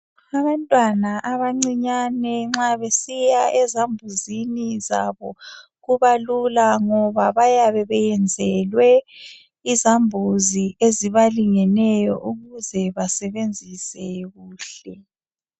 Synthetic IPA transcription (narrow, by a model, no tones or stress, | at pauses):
aβantʼwanaʔaβaŋ͡ǀiɲanɛŋ͡ǁaβesijaʔɛzambʱuzinizaβɔ | ɣuβalulaŋɔβaβajaβɛβɛjɛnd͡zʱɛlwɛ | izambʱuzieziβaliŋɛnɛjɔ̰ʔuɣuzɛβasɛβend͡zʱisɛɣuːɬɛ